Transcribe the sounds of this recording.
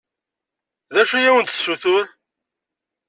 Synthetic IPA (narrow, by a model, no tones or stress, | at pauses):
ðæʃujæwənt̪sːuθʊɾ